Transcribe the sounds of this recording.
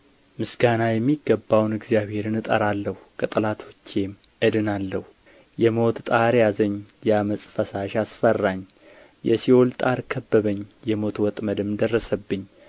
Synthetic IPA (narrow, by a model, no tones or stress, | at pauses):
mɨsɡanajɛmːiɡːəbːawnɨɡzijaβhe̞ɾɨnɨt̪ʼəɾalːəhukʼət̪ʼɨlat̪ʰwɔt͡ʃːem | ʔɨd̪ɨnalːəhu | jɛmo̞t̪t̪ʼaɾjazəɲːjaməsʼfəsaʃasfərːaɲː | jɛsio̞lt̪ʼaɾkʰəbːəβəɲːjɛmo̞t̪wɔt̪ʼməd̪ɨmd̪ərːəsəbːɨɲː